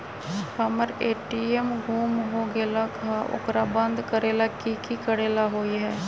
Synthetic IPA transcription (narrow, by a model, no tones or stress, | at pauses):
səməɾeːʈiːɛmɡʱuːmɦoːɡeːlaːkʰaːʔʊ̰kɾaːbənd̪kəɾeːlaːkikiːkəɽeːlaːɦoːiɦɛː